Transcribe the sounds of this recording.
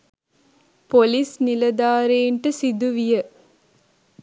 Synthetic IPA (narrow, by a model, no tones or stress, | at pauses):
polisnilɐd̪aːɾeːɳʈɨsid̪uʋijə